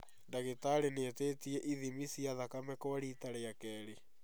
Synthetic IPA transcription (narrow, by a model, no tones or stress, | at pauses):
ndaɣetaɾeneteːtiɛʔiðimisiaðakamɛkoaɾitaɾeakɛːɾe